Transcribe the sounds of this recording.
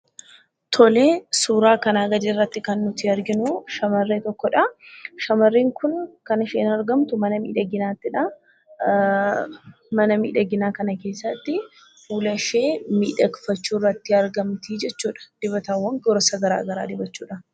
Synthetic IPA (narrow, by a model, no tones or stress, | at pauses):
t̪ʰɔleːsuːɾaːkɐnaːɡɐd͡ʒ̪eːrːɐt̪ːɪkɐnːʊt̪ɪɐɾɡɪnʊʃɐmɐrːeːt̪ɔkːɔᶑɐʃɐmɐrːiːŋkʊnkɐnɐʃeːnɐɾɡɐmt̪ʊmɐnɐmḭːᶑɐɡɪnaːt̪ːɪᶑɐ | mɐnɐmḭːᶑɐɡɪnaːkɐnɐke̞ːsːɐt̪ːɪ | fuːlɐʃe̞ːmḭːᶑɐkfɐt͡ʃːuːrːɐt̪ːɪɐɾɡɐmt̪iːd͡ʒɛt͡ʃːuːᶑɐ̥d̪̥ɪbɐt̪ɐwːɐŋɔɾɔsɐɡɐɾa̰ːɡɐɾa̰ːd̪ɪbɐt͡ʃːuːᶑɐ